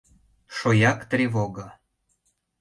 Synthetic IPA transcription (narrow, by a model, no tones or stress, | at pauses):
ʃojɑkt̪rʲevoɡa